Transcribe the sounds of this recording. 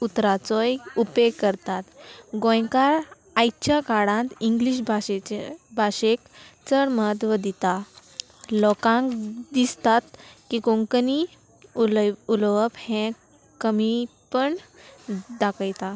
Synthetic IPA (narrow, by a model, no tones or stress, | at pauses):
ut̪ɾat͡sɔjupekəɾt̪at̪ɡõjkaɾ | ajt͡ɕjakaɽãnt̪iŋɡliɕ̬bʱaebʱaɕekt͡səɽmət̪ʋəd̪it̪a | lɔkãŋkd̪ist̪at̪kikõŋkəni | lulʋəphɛ̃ | kəmipəɳ | d̪akəjt̪a